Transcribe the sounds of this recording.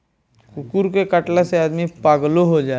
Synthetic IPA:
kʊkuɾkekəʈlaseaːd̪mipaːɡloɦod͡ʒaː

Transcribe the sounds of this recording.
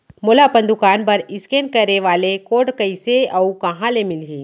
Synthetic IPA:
molapɐ̃nd̪ukaːnpɐɾɪskeːnkɐɾeʋaːlekoːʈkɐiseɐukɐɦãlemɪlɦiː

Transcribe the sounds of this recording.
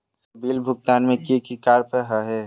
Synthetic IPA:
sɐbiːlbʱʊɡ̚t̪aːnmẽkikikaːɾpəɦaɦɛ

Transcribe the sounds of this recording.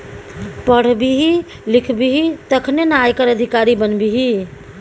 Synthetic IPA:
pəɽ̤biɦi | likʰbiɦit̪əkʰnenajkəɾəd̪ʱikaɾibənbiɦi

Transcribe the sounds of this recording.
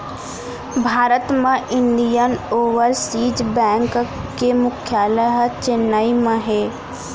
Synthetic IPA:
bʱaːɾət̪mãʔɪ̃ɳɖijənoːʋəɾsiːd͡ʒbɛ̃ːŋkkemʊkʰjaːləɦt͡ʃenːaːimãɦɛː

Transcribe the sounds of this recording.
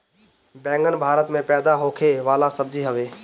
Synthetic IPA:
bɛ̃ːŋɡənbʱaːɾət̪mẽpɛːd̪aɦoːkʰeʋaːlasɐb̚d͡ʑiɦəʋeː

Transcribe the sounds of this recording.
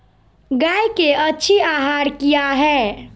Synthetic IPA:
ɡajkeətːt͡ʃʰiaɦaɾkijaɦɛː

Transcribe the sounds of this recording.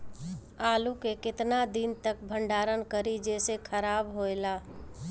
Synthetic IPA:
aːlukekɪt̪nad̪int̪ək̚bʱəɳɖaːɾənkəɾid͡ʒeːsekʰəɾaːbɦoelaː

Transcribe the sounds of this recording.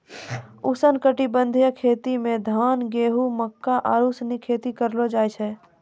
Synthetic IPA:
ʊsənkəʈibə̃nd̪ʱijəkʰeːt̪imẽd̪ʱaːnɡeːɦuməkːaʔaːɾusnikʰeːt̪ikəɾlod͡ʒaːjt͡ʃʰɛ

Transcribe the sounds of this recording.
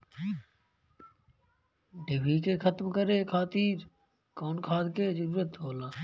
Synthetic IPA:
ɖɪʋiːkeːxʰət̪mkəɾeːkʰaːt̪iːɾ | koːnkʰaːd̪keːd͡ʒəɾuːɾət̪ɦoːlãː

